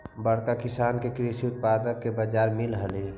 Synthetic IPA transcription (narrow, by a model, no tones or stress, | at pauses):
bəɽkakɪsaːnkekɾisiʊt̪̚paːd̪əkːebəd͡ʒaːɾmɪlɦəle